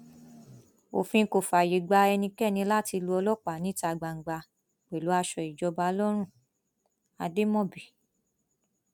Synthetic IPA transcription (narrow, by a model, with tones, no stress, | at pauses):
o̰˨fĩ˧˦ko˨fa˨je˨ɡ͡ba˧ɛ˧nĩ˧kɛ˦˨nĩ˧la˦ti˧lu˧ɔ˧lɔ˦k͡pa˨nĩ˨˦ta˧ɡ͡ba˨ŋ̩˨ɡ͡ba˧ | k͡pɛ˨lu˨˦a˧ʃɔ˧i˨d͡ʒɔ˧ba˧ɔ˧lɔ˦ɾ̃ũ˦˨ | a̰˧de˦mɔ̃˦˨bi˨